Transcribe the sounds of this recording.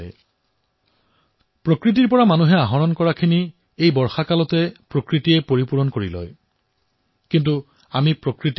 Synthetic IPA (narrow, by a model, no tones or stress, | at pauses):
pɹokɹitiɹpɔɹamanuɦɛaɦɔɹɔnkɔɹakʰini | ejbɔɹxakalɔtɛpɹokɹitijɛpoɹipuɹɔnkoɹilɔ̰j | kint̬u | amipɹokɹit